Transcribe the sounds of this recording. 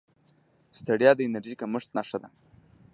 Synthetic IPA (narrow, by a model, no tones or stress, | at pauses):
st̪aɽjɑd̪əɪnaɾʒikaməʂt̪nɑʂəd̪a